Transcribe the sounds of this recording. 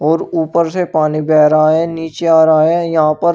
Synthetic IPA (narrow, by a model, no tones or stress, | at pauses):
ɔːɾuːpəɾsepaːnibɛːɾaaɦɛniːt͡ʃeaːɾaɦaɦɛjɐɦãpɐɾ